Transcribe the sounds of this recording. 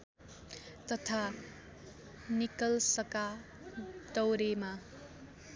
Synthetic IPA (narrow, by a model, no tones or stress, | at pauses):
t̪ʌt̪ʰa | nikʌlsʌka | d̪ʌwɾema